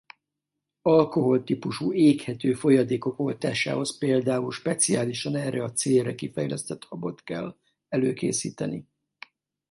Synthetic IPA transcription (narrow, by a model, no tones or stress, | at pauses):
ɒlko̞ɦo̞lt̪ipuʃueːkhɛt̪øːfo̞jɒd̪eːko̞ko̞lt̪a̰ːʃa̰ːho̞speːld̪aːulʃpɛt̪siaːliʃɒnɛːrɛɒt̪seːlrɛkifɛjlɛst̪ɛt̪hɒbo̞t̪kɛlː | ɛløːkḛːsḭːt̪ɛnḭ